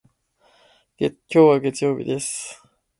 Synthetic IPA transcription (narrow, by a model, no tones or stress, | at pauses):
ɡekʲo̞ːβaɡe̞t͡sɨjo̞ːbʲḭd̪e̞sɨ̥